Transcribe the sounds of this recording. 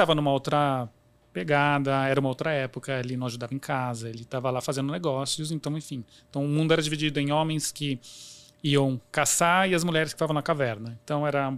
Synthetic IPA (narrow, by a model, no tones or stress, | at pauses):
t̪avɐnũmɐowt̪ɾɐ | peɡad̪ɐɛɾɐumɐowt̪ɾɐɛpʊkɐelɪnɐ̃w̃aʒud̪avɐẽkazɐelɪt̪avɐlafazẽnd̪ʊneɡɔsiʊs̬ẽnt̪ɐ̃w̃ẽfĩẽt̪ɐ̃w̃ʊmũnd̪ʊɛɾɐd͡ʒivid͡ʒid̪ʊẽj̃õmẽj̃skɪ | iɐ̃w̃kasaɪɐzmuʎɛɾɪskɪ̥ft̪avɐ̃w̃nɐkavɛɾnɐẽnt̪ɐ̃w̃ɛɾɐ̃